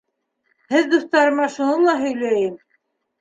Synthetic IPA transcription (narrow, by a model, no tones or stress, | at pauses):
hɘðd̪uθt̪ɑɾɤ̆mɑʃunɤlˠɑɦɵ̆jlæjɘm